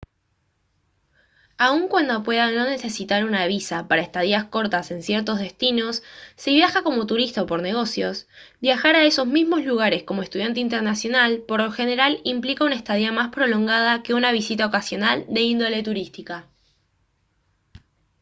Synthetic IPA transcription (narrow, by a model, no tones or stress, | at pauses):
auŋkwand̪o̞pwe̞ðano̞ne̞se̞sit̪aɾunaβisapaɾaest̪aðiasko̞ɾt̪ase̞nsjeɾt̪o̞zðe̞st̪ino̞sːiβjaxako̞mo̞t̪uɾist̪aopo̞ɾne̞ɣ̞o̞sjo̞s | bjaxaɾaeso̞zmizmo̞zluɣ̞aɾe̞sko̞moest̪uðjant̪̬eint̪̬eɾnasjo̞nalpo̞ɾloxe̞neɾalimplikaunaest̪aðiamaspɾo̞lo̞ŋɡað̞ake̞unaβ̞isit̪aokasjo̞nald̪e̞ind̪o̞le̞t̪uɾist̪ika